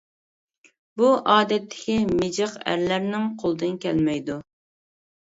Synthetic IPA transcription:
buʔɑːd̪ɛt̪ʰːɪ̥kʲimɪd͡ʒəqæ̰ɾlæɾnɪŋqʰolˠd̪ɨnkʲʰɛlmɛjd̪u

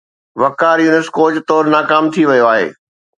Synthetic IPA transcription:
ʋɐkaːɾjuːnɪskoːt͡ɕt̪ɔːɾnaːkaːmt̪ʰiʋɐjoaːɦḛː

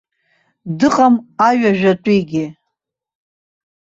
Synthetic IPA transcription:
dɨqʼamaɥᶣaʒᶣatʼiɡʲɪ

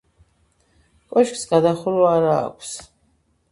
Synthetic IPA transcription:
kʼɔʃkʼsɡad̪aχulwaːɾa̰ːkʷʰs

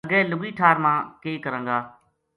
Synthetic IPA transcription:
əɡɛːlʊɡiːʈʰaːɾmãːkeːkəɾə̃ŋɡaː

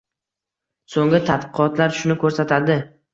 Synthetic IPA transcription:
soŋɪt̪ʰad̪qɨqɒt̪laɾʃʊnɪkʰɵɾsat̪ʰad̪ɪ

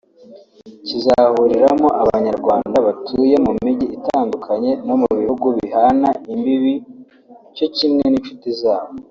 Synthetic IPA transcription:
cizahuɾiɾamoʔaβaɲaɾɡwaːndaβatʰuːje̞mumiɟiitaːndukʰaɲe̞no̞muβihuɡuβihanaimbiβi | co̞cimŋeninʃutizaːβo

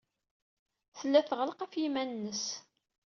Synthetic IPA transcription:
θəlːæθʁəlqæfjimænnːəs

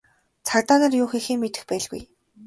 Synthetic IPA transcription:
t͡sʰart̪aːnăːrjʊːxixiːŋmet̪ɘ̆xpæːɮɣṵj

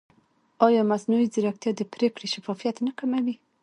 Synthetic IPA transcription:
ɑjɑmaznujiziɾakt̪jɑd̪əpɾekɽeʃafɑfijat̪nakamawi

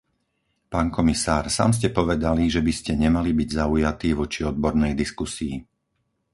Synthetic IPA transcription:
paːnkɔmisaːɾsa̰ːms̬cɛpɔʋɛd̪aliʒɛbiscɛɲɛmalibiɟzaujat̪iːʋɔt͡ʃiɔd̪̚bɔɾnɛjd̪iskusii

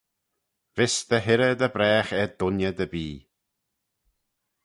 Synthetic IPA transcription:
vɪsd̪əɦɪɾəd̪əbɾɛːxɛd̪ʊnjəd̪əbiː

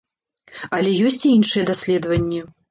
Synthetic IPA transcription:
ɐlʲɛjɔsʲt͡sʲiinʂɨjɛd̪asʲlʲɛd̪vɐnʲːɛ

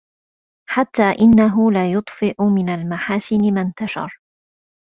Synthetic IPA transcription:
ħat̪ːaːʔɪnːaɦʊlaːjʊt̪ˤfɪʔʊmɪnalmaħaːsɪnɪmant̪aʃɑ̰ɾˤ

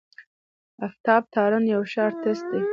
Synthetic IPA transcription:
aft̪ɑb̚t̪ʰɑɾənjawʃɑɾt̪ɪsd̪e

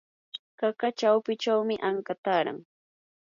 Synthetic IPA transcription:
kakat͡ʃawpɪt͡ʃawmɪʔaŋkat̪aːɾa̰ŋ

